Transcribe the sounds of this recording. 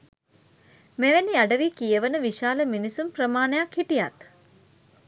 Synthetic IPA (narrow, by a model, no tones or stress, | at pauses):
meʋeniaɖəʋikijəʋənəʋiʃaːləminisumprəmaːnəjakhiʈijat̪